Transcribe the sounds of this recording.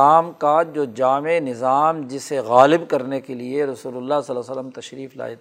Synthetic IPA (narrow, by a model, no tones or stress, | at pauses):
aːmkad͡ʒoːd͡ʒaːmenɪzaːmd͡ʒɪseɣaːlɪbkɐɾnekelieɾɐsuːlʊlːasɐlaːsɐlːəmt̪ɐʃɾiːfla̰ːjt̪